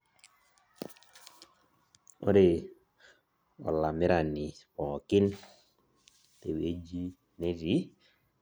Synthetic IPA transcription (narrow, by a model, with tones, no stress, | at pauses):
o̰˦ɾe˨ | ɔ̰˨la˨mi˦ɾa˨ni˨wɔ˨ki˦n | te˨we˨˦d͡ʒi˦ | ne˦zi˦